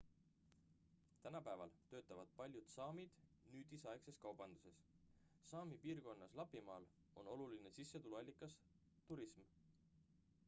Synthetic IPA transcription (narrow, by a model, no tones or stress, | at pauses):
t̪ænɑpæevɑ̰lt̪ø̞ːt̪ːˑɑvɑd̪̥̚pɑlʲjud̪̥sɑːmid̪̥ | nyːd̪isɑekse̞skɑwb̥ɑnd̪̥use̞s | sɑːmipiːrko̞nːɑslɑpːimɑːl | o̞no̞luline̞sisːet̪uluɑlʲːikːˑɑs | t̪uɾism